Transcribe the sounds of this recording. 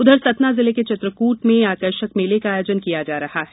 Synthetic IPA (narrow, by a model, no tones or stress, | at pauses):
ʊd̪ʱəɾsɐt̪nazɪleket͡ʃɪt̪ɾəkuːʈmẽaːkəɾʃəkmeːlekaaːjoːd͡ʒənkijad͡ʒaːɾɐhaɦɛ